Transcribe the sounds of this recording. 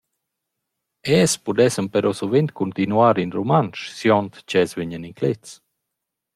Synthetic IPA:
ɛspud̪ɛsəmpɛɾɔsovent̪̚kunt̪inuaɾinɾomanʃsjɔnt̪t͡ʃɛsveɲəniŋklet̪s

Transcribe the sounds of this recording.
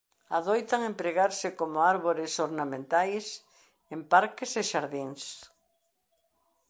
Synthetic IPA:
aðojt̪aŋẽmpɾeɣaɾsɪkomoaɾβoɾesoɾnamẽnt̪ajs | empaɾkeseʃaɾðiŋs

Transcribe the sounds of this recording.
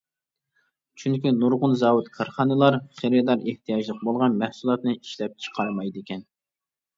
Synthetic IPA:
t͡ʃʰyŋkʲinuɾʁʊnzɑːwut̪kʰɑɾχɑnɨlˠɑɾχeɾɨd̪ɑɾeht̪ʰijɑʒlˠəq̚bolˠʁɑnmɛhsulˠɑt̪nɨiʃlɛp̚t͡ʃʰə̥qʰɑɾmɑjd̪ɪkʲʰɛn

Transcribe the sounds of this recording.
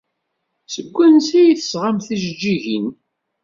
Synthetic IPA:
səɡʷːænsijiθə̥sʁamθiʒd͡ʒːiʝin

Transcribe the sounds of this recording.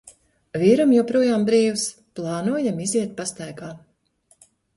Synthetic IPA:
viɾamjɔwpɾuɔjaːmbɾiːws | plˠɑːnuɔjamiziɛt̪̚past̪ajɡaː

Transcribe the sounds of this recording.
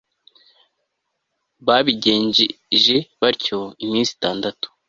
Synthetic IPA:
βaβiɟe̞ːɲɟi | ʒeβaɾco̞imiːnsi̥taːndatu̥

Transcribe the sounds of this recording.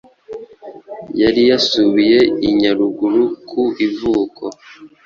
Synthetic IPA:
jaɾijasuβije̞iɲaɾuɡuɾukʰuivuːkʰo̰

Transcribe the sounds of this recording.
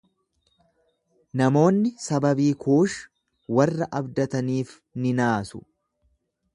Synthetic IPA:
nɐmo̞ːnːɪsɐbɐbiːkʰuːʃ | wɐrːɐʔɐbd̪ɐt̪ɐniːf | nɪnaːsʊ

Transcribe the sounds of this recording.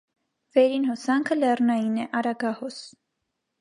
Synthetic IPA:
vɛɾinhɔsɑŋkʰəlɛrnɑjinɛʔɑɾɑɡɑhɔs

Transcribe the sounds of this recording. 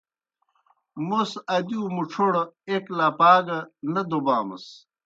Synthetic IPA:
musɐd̪uːmuʈ͡ʂʰuɽeklaːpaːɡɐnɐd̪obaːmɐ̰s

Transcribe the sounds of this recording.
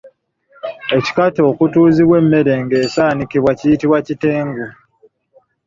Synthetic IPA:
e̞ci̥kato̞ːkutuːziβwe̞mːe̞ɾe̞ŋɡe̞ːsaːnikiβwacijitiβwaciteːŋɡa

